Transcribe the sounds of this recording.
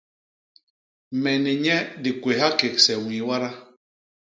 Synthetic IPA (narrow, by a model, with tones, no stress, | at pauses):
mɛ˨ni˨ɲɛ˦di˨kwe˨ɦa˦ke˨ksɛ˨wĩ˨wa˦ɾa˦